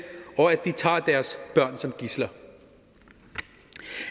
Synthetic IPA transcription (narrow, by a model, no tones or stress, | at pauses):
ɒ̽æd̥it͡sʰɑ̰̈ːd̥æɐsb̥ɶɐ̰nsɒ̽mɡ̥islɐ